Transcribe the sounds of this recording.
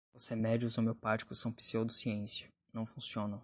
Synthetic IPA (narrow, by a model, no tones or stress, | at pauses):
oshemɛd͡ʒiʊzomewpat͡ʃi̥kʊsɐ̃w̃pi̥siewd̪ʊsiẽsijɐ | nɐ̃w̃fũsiõnɐ̃